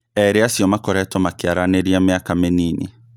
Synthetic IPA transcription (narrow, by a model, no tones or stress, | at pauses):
ɛɾeasjɔmakɔɾɛtɔmakɪaɾaneɾiamɪakameniːnḛ